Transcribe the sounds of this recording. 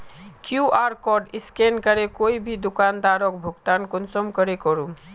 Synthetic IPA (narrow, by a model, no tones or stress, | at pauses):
kjuʔaɾkɔɾɖiskenkəɾekoibʱid̪ukand̪aɾɔkbʱuɡt̪ankonsɔmkəɾekɔɾum